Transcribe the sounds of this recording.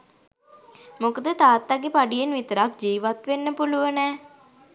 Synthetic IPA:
mokəd̪ət̪aːt̪ːaɡepaɖijenʋit̪əɾak̚d͡ʒiːʋat̪ʋenːəpuluʋənɛː

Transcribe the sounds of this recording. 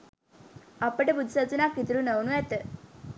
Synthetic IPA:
apəɽebud̪ʱsat͡sunakit̪ɾuːnəwnujɛt̪ə

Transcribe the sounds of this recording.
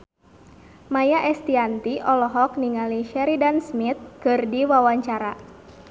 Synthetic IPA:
majaʔɛst̪iant̪iʔɔlɔɦɔk̚niŋaliʃɛɾidansmit̪̚kɨrdiwawaɲt͡ʃaɾa

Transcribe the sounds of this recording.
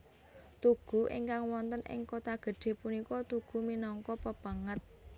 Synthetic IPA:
t̪uɡ̥ṳʔḭŋkaŋwɔnt̪ənɪ̰ŋkot̪aɡ̥ə̤ɖ̥e̤punikɔt̪uɡ̥ṳminɔŋkɔpəb̥a̤ŋət̪̚

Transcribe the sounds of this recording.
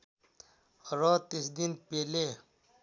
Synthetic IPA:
ɾɔːt̪isd̪inpeːle

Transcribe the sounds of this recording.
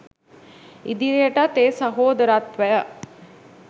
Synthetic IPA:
id̪iɾijəʈat̪eːsɐɦoːd̪əɾaːt̪ʋæjə

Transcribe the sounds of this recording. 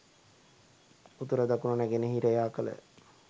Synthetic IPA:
ut̪uɾəd̪akunonæɡenəɦiɾəjaːkələ̰

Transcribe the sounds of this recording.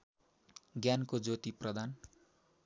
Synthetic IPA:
ɡjankod͡zot̪iprʌd̪ʱan

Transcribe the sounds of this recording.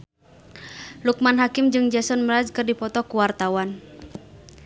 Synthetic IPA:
luk̚manɦakɪmd͡ʒɨŋd͡ʒɛsɔnmɾad͡ʒkɨrdipɔt̪ɔkuwart̪awan

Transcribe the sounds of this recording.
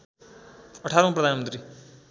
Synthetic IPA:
ʌʈʰaɾʌmaprʌd̪ʱanmənt̪ɾi

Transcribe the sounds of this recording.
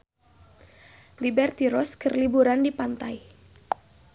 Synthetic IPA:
libɛrt̪iɾɔskərlibuɾandipant̪aj

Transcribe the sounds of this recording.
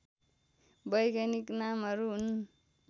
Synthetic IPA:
bʌjkaniknamɦʌɾuɦn

